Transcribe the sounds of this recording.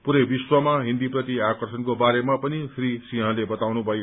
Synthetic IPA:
puɾʌjbiswʌmaɦĩnd̪iprʌt̪iakʌrsʌnkobaɾemapʌnisrisiɦãlebʌt̪awnubʱʌj

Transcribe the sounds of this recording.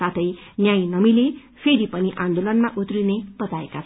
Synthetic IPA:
at̪ʰʌjnjãj̃nʌmile | pʰeɾipʌniʔãnd̪olʌnmaʔut̪rineb̥ʌt̪aekat͡sʰ

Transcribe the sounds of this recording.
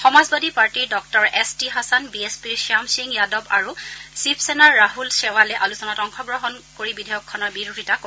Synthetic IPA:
xɔmazbadipaɹtiɹdɔk̚tɔɹɛstiɦasanbiespiɹsamsiŋjadɔbaɹusipʰsɛnaɹːaɦulsɛwalɛʔalusɔnatɔŋxɔɡɹɔɦɔnkoɹibidʱɛjɔkʰːɔnɔɹbiɹudʱitak

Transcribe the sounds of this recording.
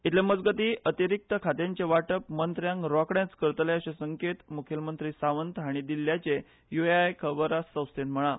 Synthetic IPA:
it̪ʰleməd͡zɡət̪iːʔət̪iɾik̚t̪əkʰat̪jãɲt͡ɕeʋaʈəpmənt̪ɾjãŋɡɾɔkɽjãt͡skəɾt̪leəɕesəŋket̪mukʰjəlmənt̪ɾiːsaʋənt̪ɦaɽ̃id̪ilːjat͡ɕe | jueajkʰəbəɾasə̃wst̪enm̤əɭ̃a

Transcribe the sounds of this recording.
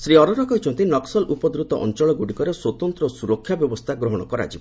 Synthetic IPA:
sɾiɔɾɔɾɔkɔɦit͡ʃʰɔnt̪inɔksɔlʔupɔd̪ɾut̪ɔʔɔ̰nt͡ʃɔɭɔɡuɽikɔɾeswɔt̪ɔnt̪ɾɔsuɾɔkʰːjabjɔbɔst̪ʰaɡɾɔɦɔɽ̃ɔkɔɾa̰d͡ʒibɔ

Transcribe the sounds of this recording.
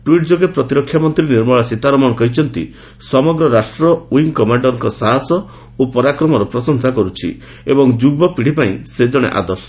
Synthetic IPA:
ʈuiʈ̚d͡ʒoɡepɾɔt̪iɾɔkʰjamɔnt̪ɾiniɾmɔɭasit̪aɾɔmɔnɔkɔɦit͡ʃʰɔnt̪ḭ | sɔmɔɡɾɔɾasʈɾɔwiŋkɔmaɳɖɔɾɔŋkɔsaɦasɔ | opɔɾakɾɔmɔɾɔpɾɔsɔŋsakɔɾut͡ʃʰḭ | ebɔŋd͡ʒubɔpiɽipaĩsed͡ʒɔɽ̃ḛʔa̰d̪ɔsɔ̥

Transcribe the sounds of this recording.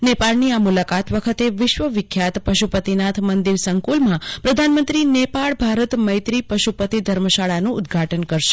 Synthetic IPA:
nepaɭniamulakat̪ʋəkʰət̪eʋɪʃʋəʋɪkʰːjat̪pəʃupət̪inat̪ʰmənd̪iɾsəŋkulmãpɾəd̪ʱanmənt̪ɾinepaɭbʱaɾət̪məjt̪ɾipəʃupət̪id̪ʱəɾməʃaɭanũʊd̪ɡʱaʈənkəɾʃe̥

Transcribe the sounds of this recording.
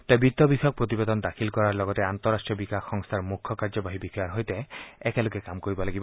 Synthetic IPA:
t̪abit̪ːɔbikʰɔk̚pɾot̪ibed̪ɔnɔd̪akʰilkɔɾaɾlɔɡɔt̪eant̪ɔɾːasʈɾijɔbikaxːɔŋst̪ʰaɾmukʰːɔkaɾd͡ʒɔbaɦibikʰɔjaɾɦɔjt̪eɛkelokekamkoɾibɔlaɡibɔ

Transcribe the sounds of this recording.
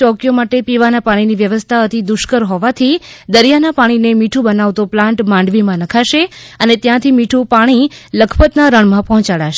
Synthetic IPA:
ɔkjomaʈepiʋanapaɽ̃iniʋjəʋəst̪ʰaət̪ʰid̪ʊʃkəɾɦɔʋat̪ʰid̪əɾjanapaɽ̃inemiʈʰũbənaʋt̪oplãɳʈmãɳɖʋimãnəkʰaʃeənet̪jãt̪ʰimiʈʰũpaɽ̃iləkʰpət̪naɾəɳ̃mãpɔɦɔ̃t͡ʃaɽaʃe

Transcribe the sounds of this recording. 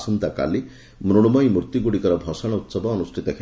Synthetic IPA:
sɔnt̪aka̰li | mɾuɽ̃umɔjmuɾt̪iɡuɽikɔɾɔbʱɔsaɽ̃ɔut̪sɔbɔːnusʈʰit̪ɔkʰ

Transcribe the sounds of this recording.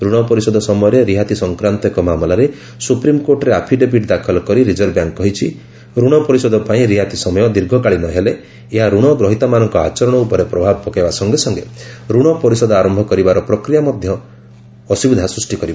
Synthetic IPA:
ɾuɽ̃ɔpɔɾisɔd̪ɔsɔmɔjɔɾeɾiɦat̪isɔŋkɾant̪ɔkɔmamɔlaɾe | supɾimkoɾʈɔɾeapʰiɖebiʈd̪akʰɔlɔkɔɾiɾid͡ʒɔɾbjaŋkkɔɦit͡ʃʰi | ɾuɽ̃ɔpɔɾisɔd̪ɔpaĩɾiɦat̪isɔmɔjɔd̪iɾɡʱɔkaɭinɔɦeleː | ɦaɾuɽ̃ɔɡɾɔɦit̪amanɔŋkɔa̰t͡ʃɔɾɔɽ̃ɔupɔɾepɾɔbʱabɔpɔkaejbasɔŋɡesɔŋɡeɾuɽ̃ɔpɔɾisɔd̪ɔaɾɔmbʱɔkɔɾibaɾɔpɾɔkɾijamɔd̪ʱjɔː | sibid̪ʱasɾusʈikɔɾibɔ

